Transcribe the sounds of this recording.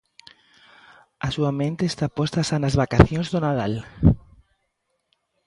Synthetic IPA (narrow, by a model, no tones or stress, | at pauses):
asuamẽnt̪eːst̪apost̪asanazβakaθjõŋzðʊnaðal